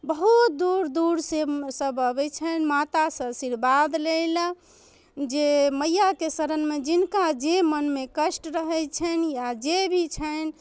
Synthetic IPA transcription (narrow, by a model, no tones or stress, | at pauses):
bəɦut̪̚d̪uɾd̪uɾsesəbəbɛt͡ʃʰənmat̪asə̃siɾbad̪lel | d͡ʒeməjːakesəɾənmed͡ʒinkad͡ʒemənmekəsʈɾəɦɛjt͡ʃʰənjad͡ʒebʱit͡ʃʰən